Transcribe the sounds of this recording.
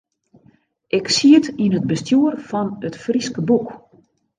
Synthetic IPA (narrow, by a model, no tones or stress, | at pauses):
ʔɪksiətinət̚bəstjuərfɔnətfriskəbuk